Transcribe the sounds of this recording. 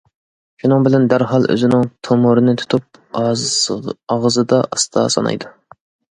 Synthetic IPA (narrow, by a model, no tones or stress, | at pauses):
ʃunɨŋbɪlɛnd̪æɾɦɑlˠø̰zɪnɪŋt̪ʰomʊɾɨnɪt̪ʰu̥t̪ʰup̚ | ɑʁəzɨd̪ɑʔɑst̪ʰɑ̰sɑ̰nɑ̰jd̪u